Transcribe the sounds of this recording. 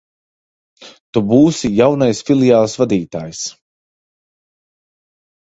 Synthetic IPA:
t̪ubuːsijawnajsfilˠiaːlˠsvad̪iːt̪aːjs

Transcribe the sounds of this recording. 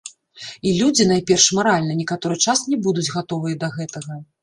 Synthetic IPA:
ilʲud͡zʲin̪ajpʲɛrʂmaɾalʲnɐnʲikat̪ɔɾɨt͡ʂasnʲɛbud̪ud͡zʲɣat̪ɔvɨjɐd̪ɐɣɛt̪ɐɣɐ

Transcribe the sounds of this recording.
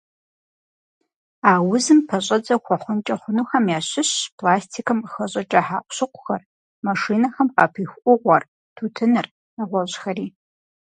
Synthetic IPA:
aːwʊzɨmpʰɐɕʼɐd͡zɐxʷɔχʷʊnt͡ʃʼɐχʷʊnuːxɐmjaːɕɪɕpʰlaːstʰiːkʰɐmxɐɕʼɐt͡ʃʼɐħa̰ːʔʷɕʊqʷʊ̥xɐr | maʂiːnɐxɐmqɐpʰiːxʷʔʷʊʁʷɔr | tʰuːtʰɨnɨr | ɐʁʷɔɕxɐriː

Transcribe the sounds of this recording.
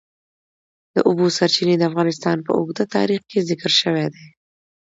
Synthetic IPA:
d̪̥əʔʊbosaɾt͡ʃined̪əafɣɑnɪs̬t̪ɑnpə̰ʊɡd̪ət̪ɑ̰ɾixkezɪkɾʃəwɛd̪e

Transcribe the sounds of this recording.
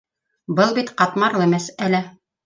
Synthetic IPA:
bɤlˠbit̪qɑt̪mɑɾlˠɤ̆mæsælɘ

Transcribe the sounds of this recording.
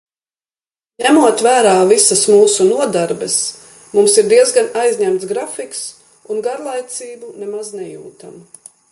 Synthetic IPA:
ɲæmuɔt̪væːɾaːvisasmuːsunuɔd̪aɾbɛs | mumsiɾd̪iɛzɡanajzɲæmt̪sɡɾafiks | unɡaɾlˠajt̪siːbunemaznɛjṵːt̪amu

